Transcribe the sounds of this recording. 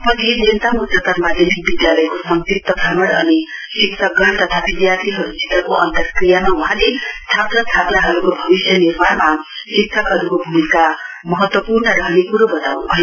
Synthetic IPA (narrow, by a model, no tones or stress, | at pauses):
pʌt̪ʰinent̪amutʰat̪ʌɾmad̪ʱenʰik̚bid̪jalʌjkosʌŋt̪it̪t̪ːʌd̪ʱamʌɽʌnisiksʰʌɡʌɽt̪ʌt̪ʰabid̪jart̪ʰiɦʌɾud͡zit̪rʌkoʔʌnt̪ʌkrijamawuɦãlest̪ʰaplat̪ʰaplaɦʌɾukobʱʌbisjʌnirmalma | siksʰʌkɦʌɾukobʱumika | mʌɦʌt̪wʌpurnʌɾʌɦnekuɾobʌt̪awnbʱʌj